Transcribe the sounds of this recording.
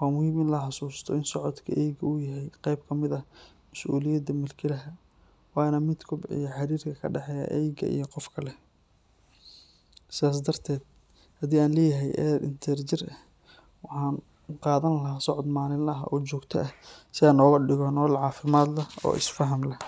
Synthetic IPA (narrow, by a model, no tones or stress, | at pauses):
wɑːmʊhiːmɪnlɐħɑsuːst̪ʰɔɪnsɔʕɔd̪kʰɐ̰ʔɛjɡɐʊjɐɦɛjqɑjb̚kʰɐmɪðɐ | mɐsʔuːlɪjɐd̪ɐmɪlkʰɪlɐɦɐ | wɑːnɐmɪd̪kʰʊbɪ̰jɐħɑɾiːrkʰɐkʰɐɖɑħɛjɐ̰ʔɛːjɡɐ̰ḭjɞqɔfkʰɐlɛ | sɪðaːs̬d̪ɐrt̪ʰɛːd̪̥̚ | hɐd̪iːaːnlɛːjɐɦɛjʔɛɾɪ̰nt̪ʰɛrt͡ʃɪrɐ | wɑħɑːn | qɑːðɐnlɐɦaːsɔʕɔd̪maːlɪnlɐɦɐ̰ʔɔːt͡ʃɔːɡt̪ʰɐ̰ʔɐsɪaːnɔːɣɐɖɪɣɔnɔːlʕɑːfɪmaːd̪lɐɔ̰ːʔɪ̰sfɐɦɐmlɐ